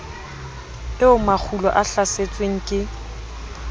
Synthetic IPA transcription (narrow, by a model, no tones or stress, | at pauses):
ɪʊmak͡xʰulɔʔaɬaset͡sʼweŋ̩kʼɪ